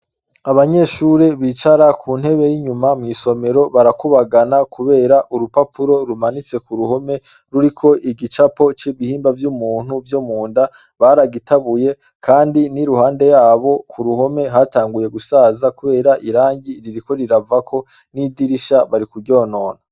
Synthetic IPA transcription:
aβaɲe̞ʃuɾeβit͡ʃaɾakʰuːn̥he̞βe̞jiɲumamŋiːso̞me̞ɾo̞βaɾakuβaɡanakʰuβe̞ːɾaʔuɾupapʰuɾo̞ɾumanit͡se̞kuɾuho̞me̞ | ɾuɾikʰo̞ʔiɡit͡ʃapo̞t͡ʃiβihiːmbavjumuːn̥huvjomuːnda | βaɾaɡitʰaβuje̞ | kʰaːndiniɾuhaːnde̞jaːβo̞kʰuɾuho̞me̞ɦataːŋɡuje̞ɡusaːzakuβe̞ːɾaʔiɾaːɲɟiɾiɾiko̞ɾiɾavakʰo̞ | nidiɾiʃaβaɾikuɟoːno̞ːna

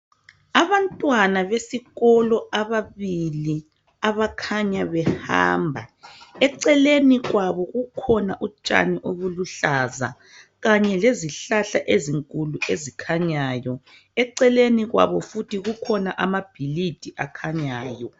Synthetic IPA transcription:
aβantʼwanaβesiɣɔlɔaβaβili | aβakʰaɲaβɛha̰ːmbʱaɛǀɛleniɣwaβɔɣukʰɔnaʔut͡ʃʼa̰niʔoβuluɬaza̰ | ɣaɲɛleziɬaɬaʔeziŋkʼuluezikʰaɲajɔ | ɛǀɛleniɣwa̰βɔfutʰiɣukʰɔnaʔamab̥ʱilid̥ʱiʔakʰaɲaːjɔ

